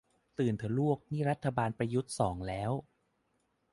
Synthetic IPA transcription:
t̪ɯː˨˩nt̪ʰɯ˨˩˦lu˥˩ək̚niː˥˩ɾa˦˥t̪ʰːa˧baː˧npa˧ju˦˥t̪̚sɔː˩˦ŋlɛː˦˥w

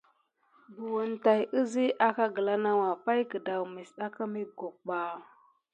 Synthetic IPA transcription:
bu˨wə˨nta˨jə˦zi˦ʔa˦ka˦ɡə˨la˦na˦wa˨pa˦jkə˨da˨wmi˨sɗa˦ka˦me˦ɡo˨k̚ɓa˨

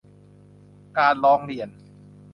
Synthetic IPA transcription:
kaː˧nɾɔː˧˥ŋli˨˩ən

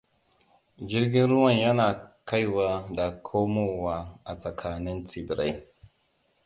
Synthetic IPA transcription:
d͡ʒi˦ɾɡi˦nɾu˦wa˨nja˦na˨ka˦jwa˦da˨kʰo˦mo˦wa˨a˨sa˨kʰa˨ni˦nt͡si˨bi˨ɾʔa˦j

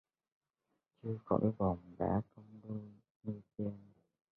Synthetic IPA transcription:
t͡ɕɨ˧əxɔ̰˧˨˥jvɔ˨˩ŋ͡mɗa̰ː˧˥kə˧wŋ͡mɗu˧ | ŋi˧ti˧ən

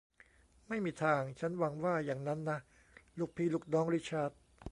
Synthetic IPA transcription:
ma˥˩jmiː˧t̪ʰaː˧ŋt͡ɕʰa˦˥nwa˧ŋwaː˥˩jaː˨˩ŋna˦˥nːa˦˥ʔ | luː˥˧˩k̚pʰiː˧luː˥˩k̚nɔː˦˥ŋɾi˦˥t͡ɕʰaː˥˩t̪̚

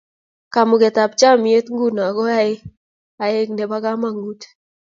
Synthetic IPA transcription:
ka˨mʊ˨ɡɛ˨t̪a˨p̚t͡ʃa˦mi˨e˦t̪ŋɡu˦˨na˨ɡɔ˦a˦ɪ˦ | a˨e˦k̚ne˨ba˦ka˦ma˨ŋu˦t

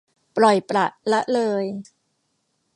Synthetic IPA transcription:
pɾɔ˨˩jpɾa˨˩ʔla˦˥ʔlɤː˧j

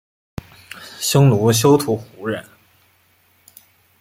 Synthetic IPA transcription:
ɕʊ˥ŋlu˧˥ɕ̬jo˥ʊt̪ʰu˧˥xu˧˥ɻə̰˥˩˦n

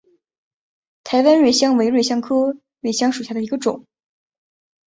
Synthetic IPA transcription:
t̪ʰa˧˥ɪwa˥nɻwe˥˩ɪɕjɑ˥ŋwe˧˥ɪɻwe˥˩ɪɕjɑ˥ŋkʰɤ˥ | ɻwe˥˩ɪɕjɑ˥ŋʂu˨˩ɕja˥˩ə˩i˧˥ɡə˧ʈ͡ʂʊ˨˩˦ŋ

